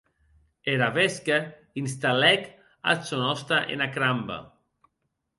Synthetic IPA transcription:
eɾaβeska | inst̪alɛk | a̰sonɔst̪aʔḛnakɾamba̰

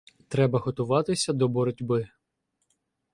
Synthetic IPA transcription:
t̪ɾɛbɐɦɔt̪ʊʋɑt̪ɪsʲɐd̪ɔbɔɾɔdʲbɪ

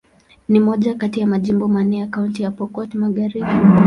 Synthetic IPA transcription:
nimɔʄakatijamaʄimbɔmanɛakauntijapɔkɔtimaɠaɾiɓi

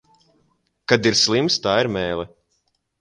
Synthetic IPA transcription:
kad̪iɾslˠimst̪aːiɾmɛːlˠɛ

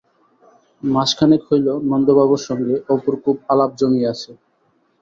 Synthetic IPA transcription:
maʃkʰanekhojlonɔnd̪obaβoɾʃɔŋɡeʔopoɾkʰubalab̚d͡ʑomiat͡ɕʰe

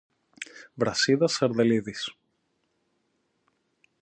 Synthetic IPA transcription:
vɾɐsiðɐsɐɾðeliðis

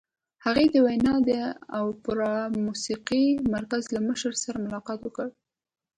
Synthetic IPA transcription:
haɣed̪əwajnɑd̪əawpʊɾɑmusiqimaɾkazlaməʃəɾsaɾamʊlɑqɑt̪wəkəɽ

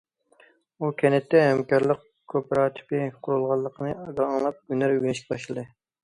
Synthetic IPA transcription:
ukʲʰɛnɛt̪ʰːɛɦɛmkɑɾlˠəq | kʰopɾɑːt̪ʰɪ̥pɪqʰʊɾulˠʁɑlˠːəqʰənɨɑɡɑɑŋlˠɑp̚ɡynæɾwenɪʃkʲɛbɑʃlˠɨd̪ɨ

